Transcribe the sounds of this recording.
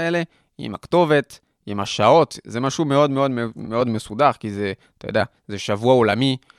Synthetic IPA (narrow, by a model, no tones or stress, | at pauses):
ele̞ | ḭmakt̪o̞ve̞t̪ | imaʃao̞t̪zemaʃume̞o̞d̪meo̞d̪meo̞d̪mesudaʁkizeat̪ajod̪ea | zeʃavuaolami